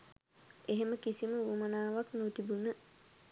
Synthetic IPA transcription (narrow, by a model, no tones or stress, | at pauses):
eɦeməkisiməʋumanaːʋaknot̪ibunə